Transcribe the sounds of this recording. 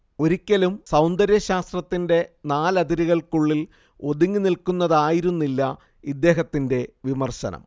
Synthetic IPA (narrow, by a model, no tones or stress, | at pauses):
o̞ɾikʲːɐlumsɐwnd̪ɐɾjɐɕaːst̪rɐt̪ːinde̞naːlɐd̪iɾiɣɐɭkuɭːil | o̞d̪uŋːɨnilkunːɐðaːjiɾunːilːɐ | id̪ːe̞ːɦɐt̪ːinde̞ʋimɐrɕɐ̰nɐ̰m